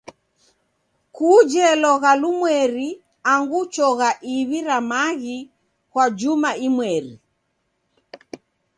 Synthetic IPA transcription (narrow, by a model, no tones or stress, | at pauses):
kud͡ʒɛlɔɣalumwɛɾi | aŋɡut͡ʃɔɣaʔiβiɾamaɣi | kwad͡ʒumaimwɛɾi